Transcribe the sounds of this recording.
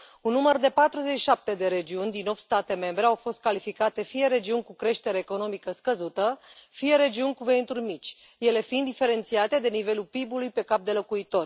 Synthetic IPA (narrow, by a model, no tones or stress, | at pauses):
unːumərd̪e̞pat̪ɾuzet͡ʃi̥ʃap̚t̪e̞d̪e̞ɾe̞d͡ʒiunʲd̪ino̞p̚t̪st̪at̪e̞me̞mbɾe̞awfo̞st̪̚kalifikat̪e̞fije̞ɾe̞d͡ʒiunʲkukɾe̞ʃt̪e̞ɾeːko̞no̞mikəskəzut̪əfije̞ɾe̞d͡ʒiunʲkuve̞int̪urʲmit͡ʃʲ | je̞le̞find̪ife̞ɾe̞nt̪siat̪e̞d̪e̞nive̞lulpibulujpe̞kap̚d̪e̞lo̞kuit̪o̞rʲ